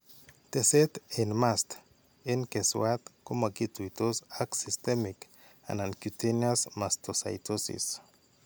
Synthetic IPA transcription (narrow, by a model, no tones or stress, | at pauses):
t̪eset̪enmast̪ | enkeswat̪komaɡit̪uit̪osaksist̪emik | a̰nankjut̪eniasmast̪osa̰jt̪ʰosḭs